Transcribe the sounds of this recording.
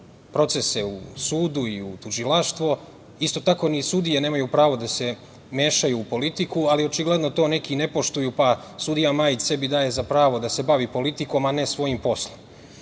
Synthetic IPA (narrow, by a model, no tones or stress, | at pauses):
pɾo̞t̪se̞se̞ṵsuːd̪uiut̪uʒilaʃt̪ʋo̞ | ist̪o̞t̪ako̞ːnisud̪ijene̞ːmajupɾaːʋo̞d̪ase̞ | me̞ːʃajuːpo̞lit̪ikualio̞t͡ʃiɡle̞d̪no̞t̪o̞ːne̞kine̞po̞ʃt̪ujuːpa | sud̪ijamaːjit͡ɕse̞bid̪aːje̞zapɾaːʋo̞d̪ase̞baʋipo̞lit̪iko̞mane̞sʋo̞jimpo̞slˠom